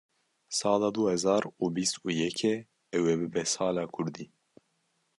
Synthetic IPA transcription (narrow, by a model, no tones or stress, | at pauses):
sɑːlɑːd̪uhɛzɑːɾuːbist̪uːjɛkʰɛ | ɛwɛbɨbɛsɑːlɑːkʰʊɾd̪iː